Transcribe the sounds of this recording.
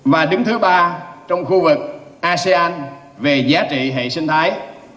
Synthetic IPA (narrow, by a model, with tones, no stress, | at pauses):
vaː˨˩ɗɨ˨˦ŋt̪ʰɨ˨˦ɓaː˧t͡ɕɔ˧wŋ͡mxu˧vɨ˨˩k̚ʔaː˧se˧ʔaː˧n | ve˨˩zaː˨˦t͡ɕḭ˧˨ɦḛ˧˨sï˧ŋt̪ʰaː˨˦j